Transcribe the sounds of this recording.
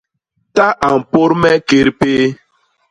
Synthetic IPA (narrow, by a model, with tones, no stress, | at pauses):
ta˦ʔa˨m̩˨po˦ɾmɛ˦ke˨ɾpeː˦